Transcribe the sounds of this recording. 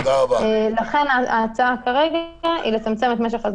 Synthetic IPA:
d̪aʁabalaχe̞naat͡sakaʁe̞ɡaʔilet͡samt͡se̞met̪meʃ̬eχaz

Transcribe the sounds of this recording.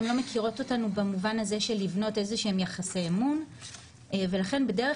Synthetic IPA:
mlo̞mekiʁo̞to̞tanubamuvanaze̞ʃe̞livno̞te̞zeʃeemjaχaseːmun | ve̞laχe̞nbedeʁe

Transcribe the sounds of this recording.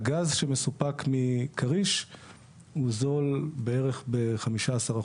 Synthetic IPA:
ɡazʃeme̞supakmikʰaʁiʃ | huzo̞lbeeʁe̞χbeχamiʃaːsaʁa

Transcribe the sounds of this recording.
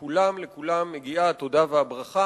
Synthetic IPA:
kulamlekulamːeɡiaːt̪o̞daveabʁaχa

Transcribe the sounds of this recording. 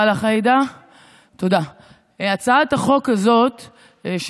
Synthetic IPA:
laχaid̪a | t̪oda | at͡saataχo̞kazo̞t̪ | ʃ

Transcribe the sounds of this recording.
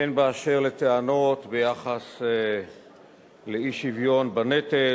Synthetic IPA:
enbeaʃeʁlet̪eano̞t̪bejaχas | leiʃivjo̞nbanet̪e

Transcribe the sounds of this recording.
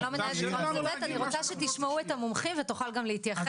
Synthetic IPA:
lomenaeoʁaobet̪aniʁot͡saʃet̪iʃmauet̪amomχimvetuχalɡamleit̪jaχ

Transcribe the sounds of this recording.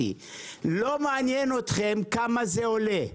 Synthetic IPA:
ḭ | lo̞meːnjeno̞t̪χe̞mkamazeo̞le

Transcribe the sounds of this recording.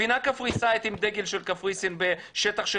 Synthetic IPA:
inakafʁisaet̪imd̪eɡelʃelkafʁisinbe | ʃet̪aχʃe

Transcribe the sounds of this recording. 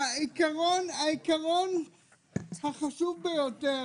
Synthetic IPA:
aikaʁonaikaʁon | haχaʃuvbejote

